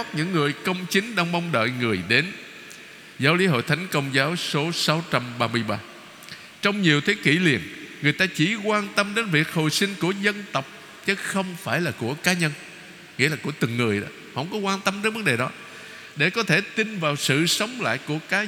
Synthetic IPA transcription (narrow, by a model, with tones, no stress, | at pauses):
t̚ɲɨ̰˧˥ŋːɨ˨˩əjkə˧wŋ͡mt͡ɕï˨˦ŋ̟ɗa˧wŋ͡mmɔ˧wŋ͡mɗə̰ː˧˨jŋɨ˨˩əjɗe˨˦n | zaː˨˦wli˨˦ɦo̰˧˨jt̪ʰa˨˦jŋ̟kə˧wŋ͡mzaː˨˦wso˨˦sa˨˦wt͡ɕa˧mɓaː˧mɨ˧əjɓaː˧ | t͡ɕɔ˧wŋ͡mɲi˨˩əwt̪ʰe˨˦kḭ˧˩li˨˩ənŋɨ˨˩əjt̪aː˧t͡ɕi˧˩kwaː˧nt̪ə˧mɗe˨˦nvi˨˩ək̚ho̰˨˧˨jsï˧ŋ̟ku˧˩əzə˧nt̪ə˨˩wk͡p̚ | t͡ɕɨ˨˦xə˧wŋ͡mfaː˧˩jlaː˨˩ku˧˩əkaː˨˦ɲə˧n | ŋḭ˧˥əlaː˨˩ku˧˩ət̪ɨ˨˩ŋːɨ˨˩əjɗɔ̰˨˦hə̰˧˥wŋ͡mkɔ˨˦kwaː˧nt̪ə˧mɗe˧˦nvə˨˦nɗe˨˩ɗɔ˨˦ | ɗe˧˩kɔ˨˦t̪ʰe˧˩t̪i˧nvaː˨˩wsɨ̰˧˨sə˨˦wŋ͡mla̰ː˧˨jku˧˩əkaː˨˦